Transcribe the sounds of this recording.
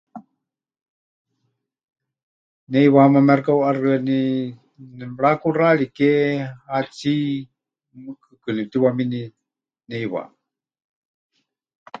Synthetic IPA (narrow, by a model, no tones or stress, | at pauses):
nɛjβahamamɛrkawʔarɨani | nmɺakuraɺikeat͡si | mɨkʰɨkɨnit̪iwamini | nɛjβa̰